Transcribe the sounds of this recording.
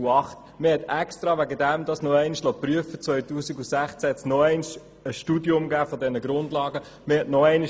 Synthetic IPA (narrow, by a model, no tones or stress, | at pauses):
uɑχt | mɪhɛtɛkst̪ɾɑʋæɡədæmd̪ɑsnɔɛɪnʃlɔpryəfət͡svœʏtuːsiɡusæχt͡sæhɛtsnɔɛɪnʃ | əʃtuːdiʊmɡæːfɔdɛnəɡɾʊndlɑːɡə | mɪhɛtnɔɛɪni